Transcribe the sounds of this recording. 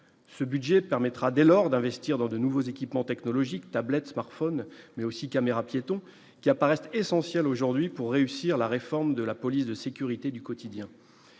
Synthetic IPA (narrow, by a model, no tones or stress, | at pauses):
səbyd̪ʒɛpɛʁmɛt̪χad̪elɔʁd̪ɛ̃vɛst̪iʁd̪ɑ̃d̪ənuvozekʲipmɑ̃t̪ɛknɔlɔʒikt̪ablɛt̪smaʁt̪fɔnmɛosikameʁapjet̪ɔ̃ | kʲiapaʁɛsesɑ̃sjɛloʒuʁd̪ɥipuʁːeysiʁlaʁefɔʁmd̪əlapɔlisd̪əsekʲyʁit̪ed̪ykɔt̪id̪jɛ̃